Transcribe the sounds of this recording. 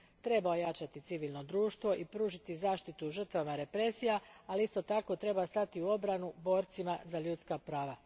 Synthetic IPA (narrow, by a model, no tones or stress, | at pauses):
t̪ɾe̞bao̞jat͡ʃat̪it̪siʋilˠno̞d̪ɾuːʃt̪ʋo̞ʔipɾuːʒit̪izaːʃt̪it̪uʒr̩t̪ʋamaɾe̞pɾe̞sijaaliist̪o̞t̪ako̞t̪ɾe̞bast̪at̪iuo̞bɾanubo̞ːɾt̪simazaʎuːt̪skapɾaːʋa